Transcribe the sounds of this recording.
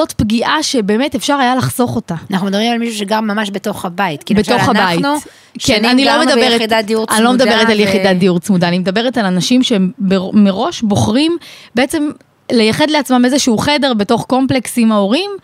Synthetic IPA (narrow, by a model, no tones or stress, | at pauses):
zo̞tpɡiʔaʃe̞be̞ːmete̞fʃaʁajalaχzo̞χo̞taanaχnumd̪ɐbʁimalmiʃuʃeɡaʁmːamaʃbeto̞χhabait̪kibeo̞χhabaintu | kenanilomedaeʁetdad̪iuʁanilo̞med̪abeʁetaljeχid̪ad̪iuʁt͡smud̪aːnimed̪abe̞ʁetalanaʃimʃebemeʁo̞ʃbo̞χʁimbeet͡se̞m | le̞jaχe̞dleat͡smamezeʃuuχede̞ʁbe̞to̞χko̞mpleksimao̞ʁim